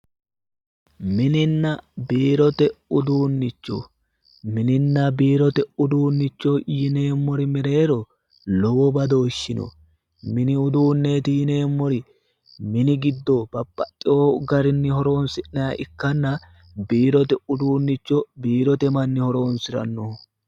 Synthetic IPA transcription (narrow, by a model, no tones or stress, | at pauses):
mɪnɪnːɐbiːɾɔt̪ɛʊd̪uːnːɪt͡ʃːo̰ | mɪnɪnːɐbiːɾɔt̪ɛʊd̪uːnːɪt͡ʃːoːʔjɪne̞ːmːɔɾɪmɛɾe̞ːɾɔ | lɔwɔbɐd̪oːʃːɪnɔ̰ | mɪnɪʊd̪uːnːe̞ːt̪ɪjɪne̞ːmːɔɾɪ | mɪnɪɡɪd̪ːoːb̥ɐpʼːɐtʼːɪoːɡɐɾɪnːɪhɔɾo̞ːnsɪʔnɐɐʔɪkːɐnːɐ | biːɾɔt̪ɛʊd̪uːnːɪt͡ʃːɔbiːɾɔt̪ɛmɐnːɪhɔɾo̞ːnsɪɾɐ̰nːo